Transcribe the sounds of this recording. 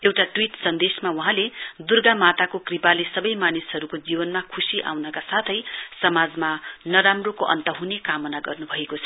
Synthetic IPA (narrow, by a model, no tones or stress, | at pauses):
ewʈaʈwiʈsʌnd̪esmawuɦãled̪urɡamat̪akokripalesʌbʌjmanisɦʌɾukod͡zibʌnmakʰusiʔa̰wnʌkasat̪ʰʌjsʌmad͡zmanʌɾamrokoʔʌ̰nt̪ʌɦunekamʌnaɡʌrnubʱʌekot͡sʰʌ